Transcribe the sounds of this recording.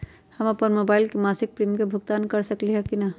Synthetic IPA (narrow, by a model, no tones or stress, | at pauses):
həmapənmobaɪilkemasik̚pɾimkebʱuɡt̪ankəɾsəkliɦɛkinə